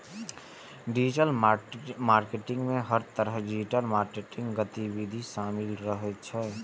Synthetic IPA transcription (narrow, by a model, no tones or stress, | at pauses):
ɖid͡ʒiʈəl | maɾkeʈĩŋɡmẽɦəɾt̪əɾəɦɖid͡ʒiʈəlmaɾkeʈĩŋɡɡət̪ibid̪ʱisaːmilɾəɦɛt̪t͡ʃʰɛ